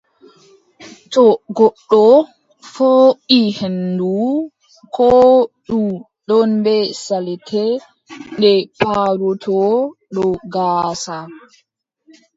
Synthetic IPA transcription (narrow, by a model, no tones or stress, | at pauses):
tɔɡɔɗːɔ | foʔihendu | kʰɔːɗu | ɗɔnbɛsalɛtʰɛ | ndɛpaɾɔtʰɔɗɔɡaːsa